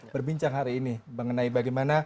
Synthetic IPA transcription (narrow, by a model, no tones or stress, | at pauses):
bərbiɲt͡ʃaŋɦaɾiːniməŋənaibaɡamana